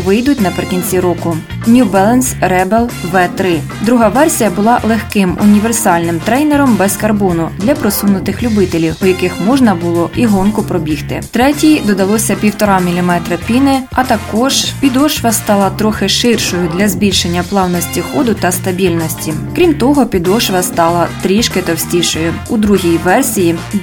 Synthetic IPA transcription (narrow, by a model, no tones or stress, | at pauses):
ʋɪjd̪ʊt̚ʲnɐpɾɪkʲinʲt͡sʲiɾɔkʊ | nʲubɛlˠɐnsrɛbelˠʋɛt̪ɾɪ | d̪ɾuɦɑʋɛrsʲijɐbʊlˠɑlˠexkɪmʊ̰nʲiʋersɑlʲnɪmt̪ɾɛjneɾɔmbɛskɐrbɔnʊd̪lʲɐpɾɔsunʊt̪ɪxlʲʊbɪt̪elʲiwɔjɐkɪxmɔʒnɐbʊlˠɔʔiɦɔnkʊpɾɔbʲixt̪ɪ̰t̪ɾɛtʲijd̪ɔd̪ɐlˠɔsʲɐpʲiwt̪ɔɾɑmʲilʲimɛt̪ɾɐpʲinɪɐt̪ɐkɔʒ̥pʲid̪ɔʃʋɐst̪ɑlˠɐt̪ɾɔxɪʃɪrʃɔjʊd̪lʲɐzbʲilʲʃenʲːɐplˠɑwnɔsʲtʲixɔd̪ʊt̪ɐst̪ɐbʲilʲnɔsʲtʲikɾʲimt̪ɔɦɔpʲid̪ɔʃʋɐst̪ɑlˠɐt̪ɾʲiʃkɪt̪ɔwsʲtʲiʃɔjʊud̪ɾuɦʲijʋɛrsʲiji